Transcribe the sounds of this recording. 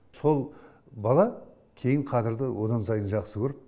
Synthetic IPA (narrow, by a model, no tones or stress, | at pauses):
so̞lˠ | bɑlˠɑ | kʲʰe̞jɪɴqʰɑzɪɾd̪əwo̞d̪ɑnsɑjənʒɑqsəkʰʲɵɾɪp